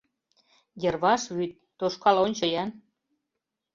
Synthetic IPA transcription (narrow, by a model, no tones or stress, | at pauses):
jĕrβɑʃβyt̪̚ːoʃkɑlonʲt͡ɕojæn